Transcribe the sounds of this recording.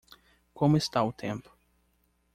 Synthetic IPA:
kõmʊɪst̪aʊt̪ʰẽmpʊ̥

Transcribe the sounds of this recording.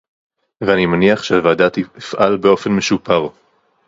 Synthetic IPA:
veanimaniaχʃeavaːdatiifʔalbeo̞fe̞nmeʃupaʁ

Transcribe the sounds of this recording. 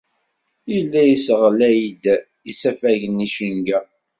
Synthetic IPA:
ilːæjisəʁlæjid̪ | isæfæʝənːiʃənɡæ

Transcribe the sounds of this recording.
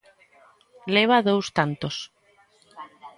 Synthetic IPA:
leβ̞aðowst̪ant̪os

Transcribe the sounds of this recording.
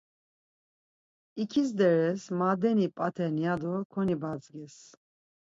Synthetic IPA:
ikʰis̬d̪ɛɾɛsmad̪ɛnipʼat̪ʰɛnijad̪ɔkʰɔnibat͡sʼɡɛs

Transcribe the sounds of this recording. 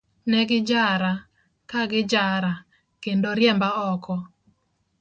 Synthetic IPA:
nɛɡɪd͡ʒaɾa | kaɡɪd͡ʒaɾa | kendoɾjɛmbaɔkɔ

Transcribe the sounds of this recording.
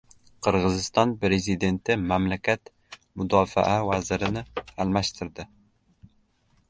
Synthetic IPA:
qʰɨɾʁɨzɪst̪ɒnpɾe̞zid̪e̞nt̪ʰɪmamlakʲʰat̪ | mʊd̪ɒfa̰ʔavazɪɾɪnɪalˠmaʃt̪ʰɪɾd̪ɪ

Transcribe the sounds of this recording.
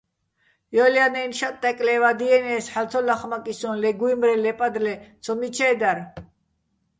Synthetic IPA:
jɔljanɛnʃatt̪ʼːɛkʼlɛvad̪iɛnɛːsħalt͡sʰɔlaχmakʼisɔnlɛɡuimɾɛlɛpʼad̪lɛt͡sʰɔmit͡ʃʰɛːd̪aɾ

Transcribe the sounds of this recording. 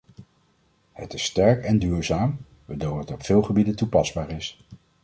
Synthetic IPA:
hətɪstɛɹkɛndyːɹzaːm | ʋədowətɔpfɪːlˠχəbidəntupɑzbaːɹɪs

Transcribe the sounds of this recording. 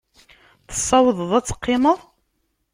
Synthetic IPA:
θə̥sˤːɑwəðˤəðˤæt͡sːə̥qːɪməðˤ

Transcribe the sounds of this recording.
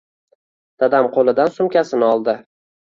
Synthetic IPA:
d̪̥ad̪amqʰolˠɪd̪ansʊmkʲasɪnɪɒlˠd̪ɪ

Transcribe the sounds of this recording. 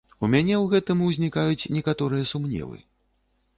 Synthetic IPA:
umʲanʲɛwɣɛt̪ɨmuzʲnʲikajut͡sʲnʲɛkat̪ɔɾɨjɐsumnʲɛ̰vɨ̰

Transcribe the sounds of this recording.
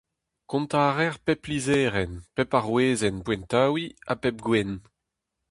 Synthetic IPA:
kɔ̃nt̪aːʁɛʁpɛpːlizɛːʁɛnpɛpaʁweːzɛnpwɛ̃nt̪aːwia̰pɛp̚ɡwɛn

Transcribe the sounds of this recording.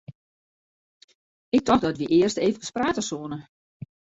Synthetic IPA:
ɪk̚tɔxdɔtʋiʔɪərsteːvəkə̥spraːtəsoənə

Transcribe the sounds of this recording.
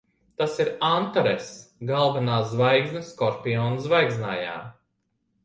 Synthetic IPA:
t̪asiɾant̪ɔɾɛsɡalˠvɛnaːzvajɡznɨskɔɾpʲiɔːnzvajɡznaːja̰ː

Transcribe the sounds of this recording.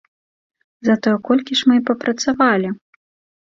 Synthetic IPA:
zɐt̪ɔjɛkɔlʲkʲiʂmɨpɐpɾʔɐt̪savalʲi

